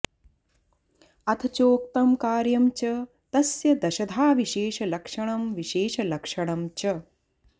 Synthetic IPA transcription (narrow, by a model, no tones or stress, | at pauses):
ɐt̪ʰɐt͡ʃoːk̚t̪ɐmkaːɾjɐmt͡ʃɐ | t̪ɐsjɐd̪ɐʃɐd̪ʱaːʋiʃeːʃɐlɐkʂɐɳɐmʋiʃeːʃɐlɐkʂɐɳ̃ɐmt͡ʃɐ